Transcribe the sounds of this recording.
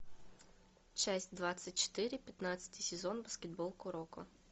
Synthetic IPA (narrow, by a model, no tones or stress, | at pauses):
t͡ʃɛsʲtʲd̪ʋɑt͡sʲːɐtʲt͡ʃo̥t̪ɪɾʲɪpʲjɐt̪nɑt͡sʲɐ̥t̪ʲijsʲezɔnbɐskʲed̪̚bɔlˠkʊɾɔkʊ̰